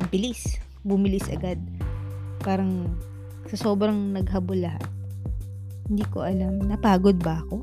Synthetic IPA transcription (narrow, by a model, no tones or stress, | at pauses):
ʔɪmpɪlis | bʊmɪlisʔɐ̰ɡad̪̚ | paːɾɐŋ | sɐso̞ːbɾɐŋnɐɡɦɐbolːɐɦa̰t̪̚ | hɪnd̪iːko̞̰ʔɐlamnɐpaːɡod̪̚bɐɐko̞